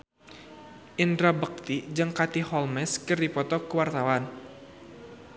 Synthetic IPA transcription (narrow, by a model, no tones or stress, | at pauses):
ʔind̪ɾabək̚t̪id͡ʒɨŋkat̪ihɔlmɛskɨrdipɔt̪ɔkəwart̪awan